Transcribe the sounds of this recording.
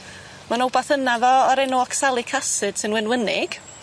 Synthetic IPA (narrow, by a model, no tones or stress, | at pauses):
manɔwbaθənaðɔɔɾɛnɔɔkʰsalˠɪkʰasɨd̥sɨnwɪnwənɪɡ̥